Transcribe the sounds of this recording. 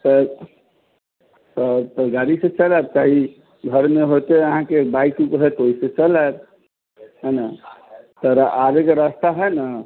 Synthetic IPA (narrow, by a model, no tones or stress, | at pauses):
t̪ə | sət̪əɡaɾisẽt͡ʃəlab̚t͡ʃaɦi | ɡʱəɾmeɦot̪eəɦãkebaikũkɦet̪oisẽt͡ʃəlab | ɦəna | t̪əɾaʔaɾekeɾəst̪aɦəna